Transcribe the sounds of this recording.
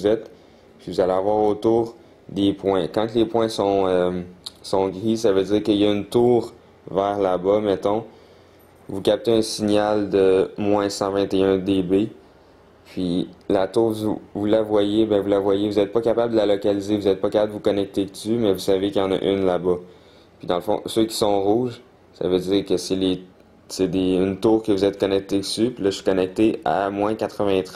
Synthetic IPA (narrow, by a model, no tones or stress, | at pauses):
vuzɛt̪ | pivuzaleavwaːʁot̪uːʁ | d̪epwɛ̃kɑ̃klepwɛ̃sɔ̃ømsɔ̃ɡʁisavød͡ziːʁkəjaynt̪uːʁ | vɛːʁlabʌmɛt̪ɔ̃ | vukʲap̚t̪eɛ̃siɲald̪əmwɛ̃sɑ̃vɛ̃t̪eœ̃d̪ebe | pʰɥilat̪uːʁvuvulavwajebɛ̃vulavwajevuzɛt̪̚pʌkapabld̪əlalɔkalizevuzɛt̪̚pʌkapabd̪əvukɔnɛk̚t̪ekt̪ymɛvusavekʲjɑ̃na̰ʔynlabʌ | pɥid̪ɑ̃ləfɔ̰̃søkʲi̥sɔ̃ʁuːʒ | sa̰vød͡ziːʁkəsɛle | sed̪eːnt̪uːʁkəvuzɛt̪̚kɔnɛk̚t̪esypilʌɥi̥kʌnɛk̚t̪ea̰mwɛ̃kat̪χəvɛ̃t̪χɛ